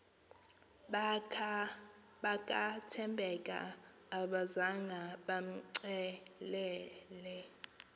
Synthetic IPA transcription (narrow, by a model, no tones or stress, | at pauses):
ɓakʼatʰɛmbʱɛkʼa̰ː | ɓazaŋɡʱaɓam̩ǀɛlɛːlɛ